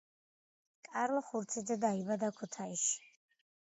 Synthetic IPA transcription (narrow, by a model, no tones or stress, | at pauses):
kʼaɾlˠɔχuɾt̪sʰid̪zɛd̪aibad̪akʰut̪ʰaiʃi̥